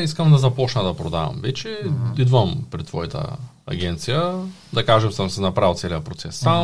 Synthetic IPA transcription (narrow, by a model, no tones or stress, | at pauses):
iskɐmd̪ɐzɐpɔt͡ʃnəd̪ɐpɾod̪a̰vɐ̰mvɛt͡ʃɛid̪vəmpɾɛt̪ːvɔjit̪ʰə̰ | ɐ̰ɡʲɛnt̪sijə | d̪ɐkaʒɛmsɐmsɛnɐpɾalˠt̪sɛlʲijəpɾot̪sɛsːam